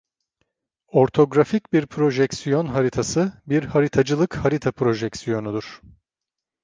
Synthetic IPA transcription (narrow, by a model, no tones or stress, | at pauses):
o̞ɾt̪ʰo̞ɡɾaficbiɾpʰɾo̞ʒɛksijo̞nɦaɾit̪ʰasɯbiɾhaɾit̪ʰad͡ʒɯlˠɯkhaɾit̪ʰapɾo̞ʒɛksijo̞nud̪uɾ̥